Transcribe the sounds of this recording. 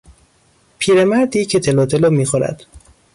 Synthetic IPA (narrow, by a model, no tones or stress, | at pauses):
pʰiːɾemæɾd̪jecʰet̪ʰelɒːt̪ʰeloːmiːxoɾæ̰d̪̥